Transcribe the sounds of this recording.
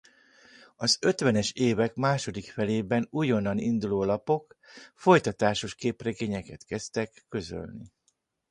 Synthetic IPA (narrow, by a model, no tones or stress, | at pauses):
ɒzø̞t̪ʋɛnɛʃeːvɛkmaːʃo̞d̪ikfɛleːbɛnujo̞nːɒnind̪uloːlɒpo̞kfo̞jt̪ɒt̪aːʃo̞ʃkeːprɛɡeːɲɛkɛt̪kɛst̪ɛkːø̞zø̰lni